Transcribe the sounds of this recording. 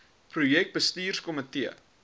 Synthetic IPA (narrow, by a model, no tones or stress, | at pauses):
prujɛk̚t̚bəstiːrskɔmətiə̰